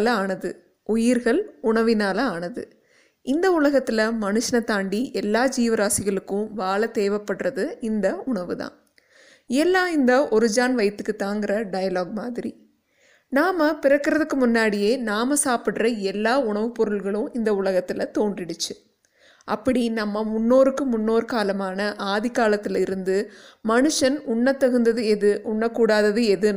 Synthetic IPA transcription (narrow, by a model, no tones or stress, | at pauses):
lɐaːnɐðɯ | ʊjɪɾɣɐɭʊɳɐʋɪnaːlɐaːnɐðɯ̰ | ɪnd̪ɐʊlɐɣɐt̪ːɪlɐmɐnɯʂɐnɐt̪aːɳɖiʔɛlːaːd͡ʒiːʋɐɾaːsɪɣɐɭɯkːʊ̃ʋaːɭɐt̪eːʋɐpːɐʈrɐðɯɪnd̪ɐʊɳɐʋɯðã̰ː | ɛlːãːɪnd̪ɐʔɔɾɯd͡ʒaːnʋɐɪt̪ːɯkːɯt̪ːaːŋɡɪɾɐɖɐjɐloːɡ̚maːðɪɾi | naːmɐpɪrɐkːɪɾɐðɯkːɯmʊnːaːɽɪjeːnaːmɐsaːpɪɽrɐɛlːaːʊɳɐʋɯpɔɾɯlɣɐɭɯ̃ɪnd̪ɐʊlɐɣɐt̪ːɪlɐt̪oːndrɪɽɯt͡ʃːɯ | ʔɐpːɐɽinɐmːɐmʊnːoːɾɯkːɯmʊnːoːɾkaːlɐmaːnɐʔaːðɪkaːlɐt̪ːɪlɪɾɯnd̪ɯmɐnɯʂɐnʊɳːɐt̪ːɐɣɯnd̪ɐðɯðɯʊɳːɐkːuːɽaːðɐðɯɛðɯ